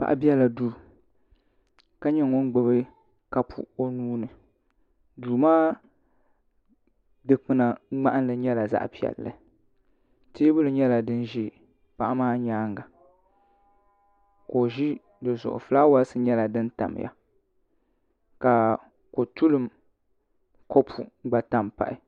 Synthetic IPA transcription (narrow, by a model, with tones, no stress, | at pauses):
pa̰˨ʔa̰˦bi˦ɛ˦la˨duː˦ | ka˦ɲɛ˦ŋo˦nɡ͡bo˨bɨ˦ | ka˨pʰṵ˨o˦nuː˦nɨ˨ | duː˨maː˦ | dɨ˨k͡pɨ˨na˨ŋ͡ma˦ʔa˦n˦lɨ˨ɲɛ˦la˨za̰˦ʔpi˨ɛ̰˨lːɨ̰˨ | teː˦bʊ˦lɨ˨ɲɛ˦la˨dɨ˦nʒi˦ | pa˨ʔa˦maː˦ɲaː˦ŋɡa˨ | ko˨ʒi˦ | dɨ˨zʊ˨ʔʊ̰˨fɨ˨laː˦wa˦lsɨ˦ɲɛ˦la˨dɨ˦n˦ta̰˨m˨ja̰˨ | ka˨ | ko˨tu˦lɨ˦m | ko˦pʰu˨˦ɡ͡ba˨ta˦mpa̰˨ʔɪ˨